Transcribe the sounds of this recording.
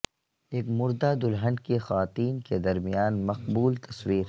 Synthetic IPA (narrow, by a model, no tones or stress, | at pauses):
eːkmʊɾd̪ad̪ʊlɦə̃ɳɖkexɐʋaːt̪iːnked̪ɐɾmijaːnmɐqbuːlt̪ɐswiːɾ